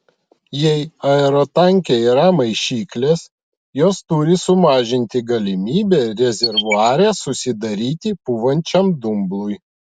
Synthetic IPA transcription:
jɛɪɐɛɾɔt̪ɐŋʲkʲeiːɾɐmɐɪʃʲiːklʲeːs | joːst̪ʊɾʲɪsʊmɑːʒʲɪnʲt̪ʲɪɡɐlʲɪmʲiːbʲɛɾʲɛzʲɛɾʋʊɑːɾʲɛːsʊsʲɪd̪ɐɾʲiːt̪ʲɪpuːʋɐnʲt͡ʃʲɛmd̪ʊmblˠʊj

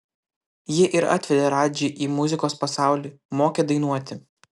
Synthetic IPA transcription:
jɪʔɪɾɐ̰t̪ʲʋʲɛd̪ʲeːɾɑːd͡ʒʲɛːʔiːmʊzʲɪkoːspɐsɑˑʊlʲiːmoːkʲeːd̪ɐɪnuɔt̪ʲɪ

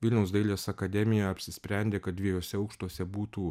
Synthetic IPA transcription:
ʋʲɪlʲnʲɛʊsd̪ɐɪlʲeːsɐkɐd̪ʲɛmʲɪjɛɐpʲsʲɪsʲpʲɾʲæˑnʲd̪ʲeːkɐt̪̚d̪ʲʋʲiɛjoːsʲɛɐʊkʃt̪uɔsʲɛbuːt̪uː

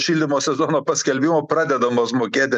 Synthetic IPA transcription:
ʃʲiːlʲd̪ʲɪmoːsʲɛzoːnoːpɐsʲkʲɛlʲbʲɪmoːpɾɑːd̪ʲɛd̪ɐmoːsmoːkʲeːt̪ʲɪ

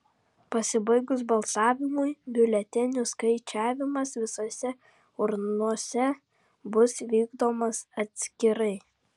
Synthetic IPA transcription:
pɐsʲɪbɐɪɡʊsbɐlˠsɑːʋʲɪmʊjbʲɪlʲɛt̪ʲɪnʲʊskɐɪt͡ʃʲæːʋʲɪmɐsʋʲɪsoːsʲɛ | ʊɾnuɔsʲɛ | bʊsʋʲiːɡd̪oːmɐsɐt̪ʲsʲkʲɪɾɐɪ

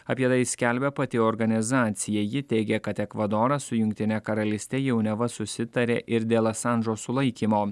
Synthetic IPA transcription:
ɐpʲiɛt̪ɐɪsʲkʲælʲbʲɛpɐt̪ʲɪɔɾɡɐnʲɪzɑːt̪sʲɪjɛjɪt̪ʲɛɪɡʲɛkɐt̪ɛkʋɐd̪oːɾɐsʊjʊŋʲk̚ʲt̪ʲɪnʲɛkɐɾɐlʲɪsʲt̪ʲɛjɛʊnʲɛʋɐsʊsʲɪt̪ɐɾʲeːʔɪɾd̪ʲeːlˠɐsɑnd̪ɾoːsʊlˠɐɪkʲimoː

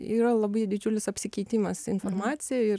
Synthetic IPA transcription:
iːɾɐlˠɐbɐɪd̪ʲɪd͡ʒʲuːlʲɪsɐpʲsʲɪkʲɛɪt̪ʲiːmɐsɪnfoɾmɑːsʲɪjɛɪr

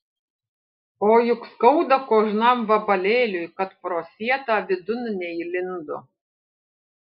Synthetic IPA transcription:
oːjʊkskɐʊd̪ɐkoːʒnɑmʋɐbɐlʲeːlʲʊjkɐt̪pɾoːsʲiɛt̪ɑːʋʲɪd̪ʊnnʲɛilʲɪnd̪ʊ̰

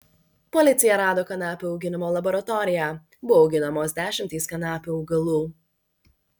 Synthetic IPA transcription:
pɔlʲɪt̪sʲɪjɛɾɑːd̪oːkɐnɑːpʲuːɐʊɡʲɪnʲɪmoːlˠɐbɔɾɐt̪ɔɾʲɪjæː | bʊʋɔɐʊɡʲɪnɐmoːsd̪ʲæːʃʲɪmʲt̪ʲiːskɐnɑːpʲuːɐʊɡɐlˠuː

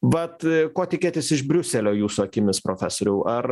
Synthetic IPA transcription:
ʋɐt̪koːt̪ʲɪkʲeːt̪ʲɪsɪʒbʲɾʲʊsʲɛlʲoːjuːsuɐkʲɪmʲɪspɾoːfʲæːsoːɾʲɛʊʔɐr

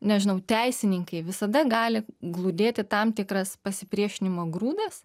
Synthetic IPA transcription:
nʲɛʒʲɪnɐʊt̪ʲɛɪsʲɪnʲɪŋkɐɪʋʲɪsɐd̪ɐɡɑːlʲɪɡlˠud̪ʲeːt̪ʲɪt̪ɑmt̪ʲɪkrɐspɐsʲɪpʲɾʲiɛʃʲɪnʲɪmoːɡruːd̪ɐs

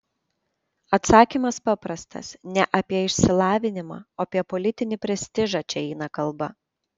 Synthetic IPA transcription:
ɐt̪sɑːkʲimɐspɐpɾɐst̪ɐ̰snʲɛʔɐpʲiɛɪʃʲsʲɪlˠɑːʋʲɪnʲɪmɑ̰ːoːpʲiɛpɔlʲɪt̪ʲɪnʲɪpʲɾʲɛsʲt̪ʲɪʒɑt͡ʃʲɛɛɪnɐkɐlˠbɐ

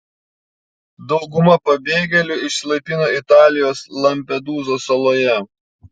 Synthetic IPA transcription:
d̪ɒʊɡʊmɐpɐbʲeːɡʲɛlʲʊɪʃsʲlˠɐɪpʲinoːɪt̪ɑːlʲɪjoːslˠɐmʲpʲɛd̪uːzoːsɐlˠoːjɛ

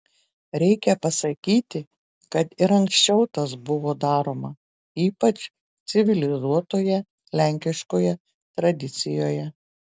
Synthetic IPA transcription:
ɾʲɛɪkʲɛpɐsɐkʲiːt̪ʲɪ | kɐt̪ɪɾɐŋksʲt͡ʃʲɛʊt̪ɐsbʊʋoːd̪ɑːɾoːmɐ | iːpɐt͡ʃ | t̪sʲɪʋʲɪlʲɪzuɔt̪oːjɛ | lʲæˑŋʲkʲɪʃkoːjɛ | t̪ɾɐd̪ʲɪt̪sʲɪjoːjɛ

